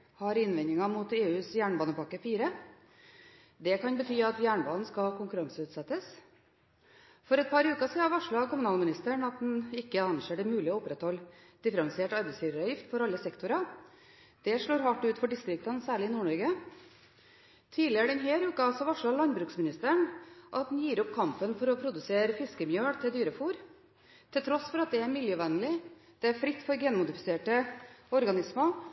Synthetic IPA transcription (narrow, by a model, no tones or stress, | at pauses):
hɑɾɪnʋɛnɪŋɑmʊt̪eːʉːsjæːɳbɑːnəpɑkːəfiːɾə | d̪ɛkɑnbət̪ʰyːɑt̪jæːɳbɑːnn̩skɑkʰʊŋkʉɾɑŋsəʉːt̪sɛt̪ːəs | fɔɾɛt̪̚pʰɑɾʉːkɑsiːɑɾʋɑʂɭɑkʊmʉnɑːlmɪnɪst̪əɳɑt̪̚d̪ɛn̩ɪkːəɑnʂeːɖɛmʉːlɪoːʊpɾɛt̪hɔld̪̥ɪfəɾɑnsɪeːʈɑɾbɛɪsfyːɾəɾɑjɪft̪fɔɾɑlːəsɛkt̪ʊɾɑ | d̪̥ɛʂɭoːɾɦɑʈːʉːt̪fɔɖɪst̪ɾɪk̚t̪ɑnsæːɭɪɪnuːɳɔɾɡə | t̪ʰiːlɪəɖɛnɦeːɾʉːkəɑlsɔʋɑʂɭɑlɑnbɾʉːksmɪnɪst̪əɳʔɑt̪̚d̪njiːɾɔp̚kʰɑmpənfɔɾɔpʰɾʊd̪ʉseːɾəfɪskəmjøːɽt̪ʰɪld̪yːɾəfuːɾ | t̪ʰɛlt̪ʰɾɔsfɔɾɑt̪̚d̪ɛæɾmɪljøːʋɛnəlɪ | d̪̥ɛæɾfɾɪt̪ːfɔɾɡɛːnmʊd̪ɪfɪ̥seːʈəɔɾɡɑnɪsmə